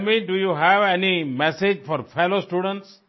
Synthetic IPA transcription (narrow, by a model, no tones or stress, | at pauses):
miɖujuɦɛʋɛnimɛsed͡ʒfɔɾfɛlosʈuɖə̃ɳʈs